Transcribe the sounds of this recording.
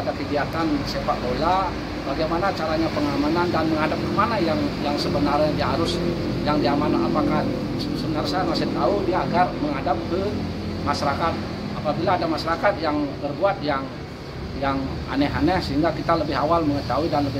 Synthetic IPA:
adakəɡiat̪ansefat̪̚bola | baɡajmanat͡ʃaɾaɲapəŋamanandanməŋɦadap̚kəmanajaŋjaŋsəbənarɲad͡ʒaɦaɾʊs | jaŋdiamanʔapakah | səsəbənarsajamasɛht̪audiaːɡarməŋadap̚kə | maʃaɾakat̪̚ | apabilaːdamaʃaɾakat̪jaŋbərbuat̪̚jaŋ | jaŋ | a̰nɛɦanɛhsəɦiŋɡakit̪aləbɪɦawalməŋət̪auidanləbɪ

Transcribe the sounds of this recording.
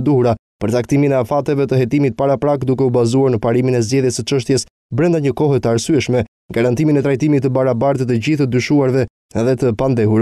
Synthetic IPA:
d̪uhuɾa | pəɾt͡sakt̪iminɛafat̪ɛvɛt̪əɦɛt̪imit̪̚paɾapɾakd̪ukɛubazuaɾnəpaɾiminɛzɟɛðjɛsət͡ʃəʃ̬t̪jɛs | bɾɛnd̪aɲəkɔɦɛt̪əaɾsyɛʃmɛ | ɡaɾant̪iminɛt̪ɾajt̪imit̪ːəbaɾabaɾt̪ət̪əɟiθəd̪yʃuaɾvɛ | ɛðɛt̪əpand̪ɛɦuɾ

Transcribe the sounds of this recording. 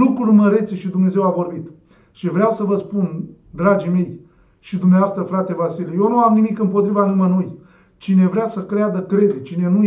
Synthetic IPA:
lukɾulməɾe̞t̪seʃid̪umne̞ze̞wavo̞rbit̪ | ʃivɾeawsəvəspun | d̪ɾad͡ʒime̞j | ʃid̪umneaast̪ɾəfɾat̪e̞vasileje̞wnuamnimikɨmpot̪ɾivanumənuj | t͡ʃine̞vɾeasəkɾead̪əkɾe̞d̪et͡ʃine̞nu

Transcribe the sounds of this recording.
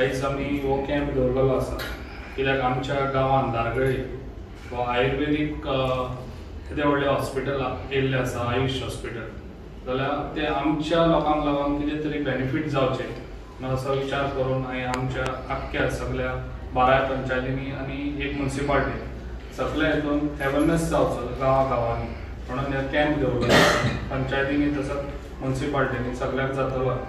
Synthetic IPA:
kaiːsamiʋokɛ̃mpd̪əɾbəlaasa̰ | kit̪akamt͡ɕjaɡaʋãnd̪ʱaɾɡɭe | ʋaːjɾʋenik | kit̪eʋəɽleɦɔspiʈəlkelːjasaːjuɕɦɔspiʈəl | d͡zaljat̪eamt͡ɕjalɔkãmlaɡaŋkit̪et̪əɾibenifiʈd͡zawt͡ɕe | nəɡəsəʋit͡ɕaɾkəɾuːnaɦiamt͡ɕjaːkːjasəɡɭjabaɾajapəɲt͡ɕajt̪iniañiekmunsipalʈ̪e | səɡljaet̪uːnhɛʋənesd͡zawt͡səɡãʋãɡaʋãni | m̤əɽ̃unjaɾkɛ̃mpd̪ʱeupəɲt͡ɕajt̪iniːt̪əsat͡s | munsipalʈ̪enisəɡɭjakd͡zat̪əʋaj

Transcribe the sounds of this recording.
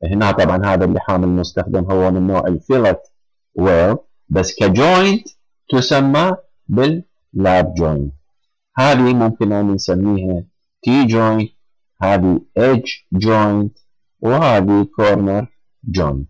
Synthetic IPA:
ʔhnat̪ˤɑbʕɑnɦaːðalːḭħaːmɪlmʊst̪axd̪ɪmɦʊwːamɪnːoːʕɪlfilat̪ | weːl | basːkad͡ʒoːjnt̪ | t̪ʊsamːa | bɪlː | aːbd͡ʒoːjnt̪ | haːðimʊmkɪnʔanansamːiːha | t̪iːd͡ʒojnt̪ | haːðiʔed͡ʒd͡ʒoːjnt̪ | whaːðikoːɾnɑɾˤ | d͡ʒoːjnt̪

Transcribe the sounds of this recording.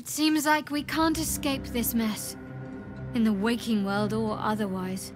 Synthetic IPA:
ɨtsĩmzlaɪkwikʰæ̃ntɨskeɪp̚ðɪsmɛs | ɨ̃nðəweɪkʰɪ̃ŋwɜ˞lˠdə˞ʔʌ̰ðə˞waɪz̥

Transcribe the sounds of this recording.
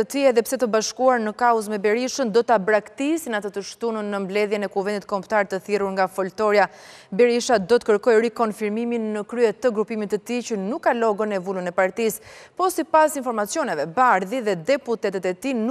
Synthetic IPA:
ət̪iɛðɛpsɛt̪əbaʃkuaɾnəkaɔzmɛbɛɾiʃənd̪ɔt̪abɾakt̪isinat̪ət̪əʃt̪unənːəmblɛðjɛnɛkuvɛnd̪it̪kɔmpt̪aɾt̪əθiruɾŋɡafɔlt̪ɔɾja | bɛɾiʃad̪ɔt̪ə̥kəɾkɔjɾikɔnfiɾmiminːəkɾyɛt̪ːəɡɾupimit̪ət̪it͡ɕənukːalɔɡənɛvulənɛpaɾt̪ispɔsipasinfɔɾmat͡sjɔnɛvɛbaɾðiðɛd̪ɛput̪ɛt̪ɛt̪ɛt̪in

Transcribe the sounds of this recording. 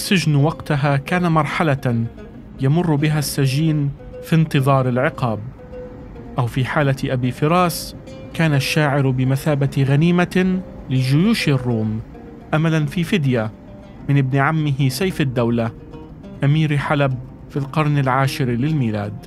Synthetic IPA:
ʔsːɪʒnwɑɡt̪aɦakaːnamɑɾˤħala | jamʊrˤːbɪɦasːad͡ʒiːn | fint̪ɨðˤɑːɾˤɪlʕɪqɑːb̚ | ʔawfiːħaːlaʔabiːfɪɾɑːs | kaːnaʃːaːʕɪɾbɪmaθaːbaɣaniːmalɪd͡ʒʊjuːʃrˤːuːm | ʔamalanfiːfɪd̪ja | mɪnɪb̚nɪʕamːɪɦɪsajfad̪ːawla | ʔamiːɾħalab̚ | filqɑɾˤnɪlʕaːʃɪɾlɪlmiːlaːd̪

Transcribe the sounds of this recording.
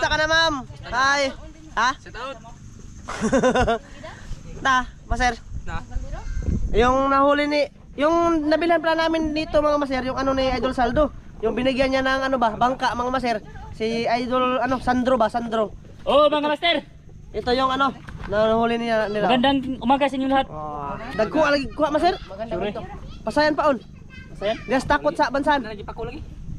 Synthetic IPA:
t̪akɐnamamhaj | ha | namasɛɾ | jʊŋnɐhuːlɪni | jʊŋnɐbɪlɪhanpaɾanaːmɪnd̪iːt̪omɐŋamas̬ɛɾjʊŋɐnoniajd̪olsald̪o | jʊŋbɪnɪɡjanɲanɐŋɐnobabaŋkaʔmɐŋamas̬ɛɾsiaidulanɔsand̪ɾɔbasand̪ɾɔ | omaŋamasɛr | it̪ujɔŋanɔnanaɦulinianilaɡandaŋumakasiɲulaɦat̪̚daɡkuaʔlaɡikuaʔmas̬ɪr | pasajanpaʔun | jaɡast̪akʊt̪̚saʔbansanɡiakulaɡi

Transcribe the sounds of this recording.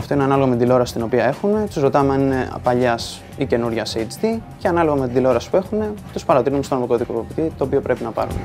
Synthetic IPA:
ɐft̪o̞ineɐnɐlo̞ɣɐmet̪d̪ilo̞ɾɐsist̪ino̞piɐe̞xune̞t̪uzɾo̞t̪ɐmeɐnine̞̰pɐʎɐs | ice̞nuɾʝɐsejt͡st̪ice̞ɐnɐlo̞ɣɐme̞t̪id̪ilo̞ɾɐsi̥pue̞xune̞t̪uspɐɾɐt̪iɾinumst̪onomikoðikopopit̪it̪o̞ːpio̞pɾe̞pinɐpɐ̰ɾṵnḛ

